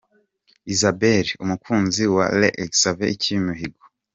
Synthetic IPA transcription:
izabeɾiumukʰuːnziwa̰lḛʔeɡsaveicʰiimuɦiɡo

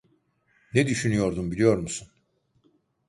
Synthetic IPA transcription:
nɛd̪yʃynyjo̞ɾd̪umbilʲijo̞ɾmusun

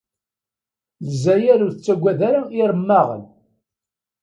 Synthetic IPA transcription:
ləzːæjæɾuɾθət͡sːæɡʷːæðaɾaiɾˤəmːaʁə̰n

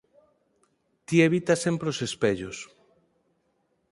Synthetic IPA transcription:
t̪ieβit̪asempɾeosespeʎos

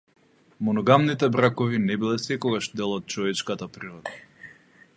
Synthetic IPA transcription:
mɔnɔɡamnit̪ɛbɾakɔvinɛbilɛsɛkɔɡaʃd̪ɛlˠɔt̪̚t͡ʃɔvɛt͡ʃkat̪apɾiɾɔd̪a

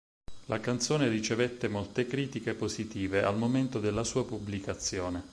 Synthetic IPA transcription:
lʔakant̪soːneɾit͡ʃevet̪ːemolt̪ekɾiːt̪ikepozit̪iːveʔa̰lmoment̪od̪elːasuːapublikat̪sːjoːne

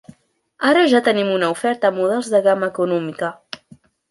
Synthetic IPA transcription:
aɾəʒat̪ənimunəufɛɾt̪əːmuð̞ɛlˠzðəɣaməːkunɔmikə

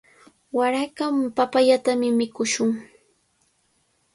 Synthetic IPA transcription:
waɾakampapaʎat̪amɪmɪkʊʃʊŋ

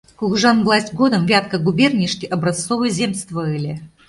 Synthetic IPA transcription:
kʊɡʐanvlˠasʲtʲɡod̪əmvʲat̪kəɡubʲernʲiʂkʲiʔɐbɾɐst̪sovɨjzʲemst̪vəɨlʲe

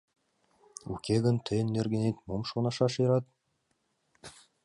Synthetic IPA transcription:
ṵkʲeɡə̆nt̪ʰɘ̆nːerɡʲĕnet̪momʃonɑʃɑʃɤɾɑt̪̚

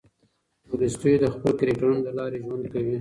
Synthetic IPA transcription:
ʊlist̪ujd̪əxpəlkaɾiʈɾunləlɑɾeʒwand̪̚kawi

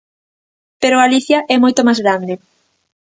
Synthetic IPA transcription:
peɾoaliθjaʔɛmojt̪omazɣɾand̪e

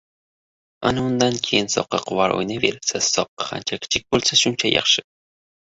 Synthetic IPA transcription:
a̰naʊnd̪ankʲʰe̞jɪnsɒ̰qːɑ̰qʰʊvaɾʔo̰jnave̞ɾɪlsassːɒqːɑ̥qʰa̰nt͡ʃʰakʲʰɪ̥t͡ʃʰɪk̚ʲbolˠsaʃʊnt͡ʃʰajɑ̰χʃɪ

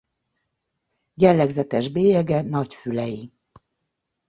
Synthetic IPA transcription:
jɛlːɛɡzɛt̪ɛʒbeːjɛɡɛnɒcfylɛji

